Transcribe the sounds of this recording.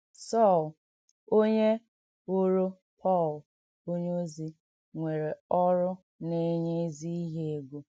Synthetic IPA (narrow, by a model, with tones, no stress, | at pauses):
sɔ˦˨l | o˦ɲe˦ | o˦ɾo˦ | pʰɔ˦˨l | o˦ɲ˦o˦zi˦ | ŋʷe˨ɾe˨ɔ˦ɾʊ˦ | ne˦ɲe˦zi˦i˦ɦe˦˨ɡo˨